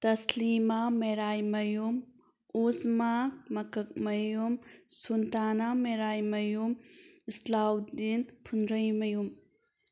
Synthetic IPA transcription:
tɐslimameɾajmɐjum | usmak̚mɐkɐk̚mɐjumsuntanameɾajmɐjumislawdinpʰunɾɐjmɐjum

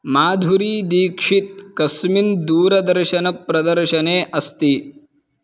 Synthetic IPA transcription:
maːd̪ʱuɾiːd̪iːkʂit̪̚kɐsmind̪uːɾɐd̪ɐɾʃɐnɐpɾɐd̪ɐɾʃɐneːʔɐst̪i

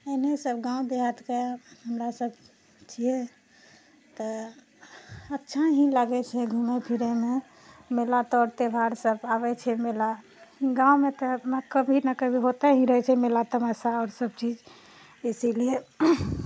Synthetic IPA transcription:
enesəbɡãũd̪eat̪keɦəmɾasəb | t͡ʃʰije | t̪ɔ | ətːʃʰaɦĩlaɡɛt͡ʃʰɛɡʱumepʰiɾeme | melat̪ɔɾt̪ebʱaɾsəbabɛt͡ʃʰɛmela | ɡãũmet̪ɔməkəbʱinakəbʱiɦot̪aɦĩɾəɦɛt͡ʃʰɛmelat̪əməsaɔːɾsəb̚t͡ʃid͡ʒ | esilie

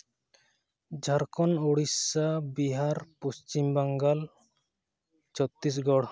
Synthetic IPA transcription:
d͡ʒʱaɾkʰɔnoɽisabiɦaɾpost͡ʃimbaŋɡal | t͡ʃɔt̪ːis̬ɡɔɽ

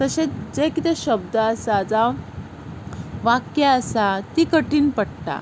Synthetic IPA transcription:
t̪əɕed͡zekit̪ɛɕəb̚d̪əːsad͡za | ʋakjaəsat̪ikəʈiːnpəɽʈ̪a̰

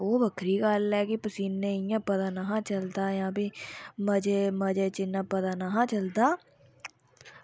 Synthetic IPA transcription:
oːbəkʰɾiːkalɛːkɪpəsiːnːẽɪjãːpət̪aːnəɦãːt͡ʃəld̪aːjãːbiːməd͡ʒeməd͡ʒeːt͡ʃɪnːãːpəd̪aːnaɦãːt͡ʃəld̪aː

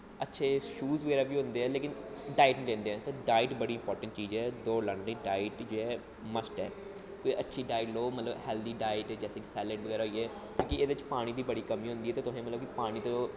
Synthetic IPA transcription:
ətːʃʰeːʃuːzʋəɡɛːɾaːbiːɦõnd̪eːɛːleːkɪnɖaːɪʈːlẽːnd̪eːɛ̃ːt̪õːɖaːɪʈbəɽiːɪmpɔːɾʈə̃ɳʈt͡ʃiːd͡ʒɛːd̪oːləɳlẽːɖaːɪʈd͡ʒeːɛː | məsʈɛː | keʔətːʃʰiːɖaːɪʈloːmət̪ləbhɛːld̪iːɖaːɪʈːd͡ʒɛːseːkɪ̥sɛːlẽːɳɖəɡɛːɾɦoːiːɛː | kjõːkɪeːd̪eːɪt͡ʃpaːɽ̃ĩːd̪iːbəɽiːkəmiːɦõnd̪iːɛːt̪eːt̪ʊɦẽːmət̪ləbkipaːɽ̃iːt̪õː

